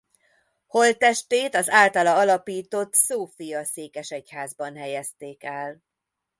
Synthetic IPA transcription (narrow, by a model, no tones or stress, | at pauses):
ho̞lt̪ɛʃt̪eːt̪ɒzaːlt̪ɒlɒɒlɒpiːt̪o̞t̪soːfijɒseːkɛʃɛchaːzbɒnɦɛjɛst̪eːkɛl